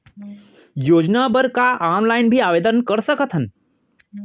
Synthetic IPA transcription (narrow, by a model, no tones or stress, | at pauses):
joːd͡ʒnabəɾkaaːnlajnbʱiːaʋed̪ənkəɾsəkət̪ʰɦən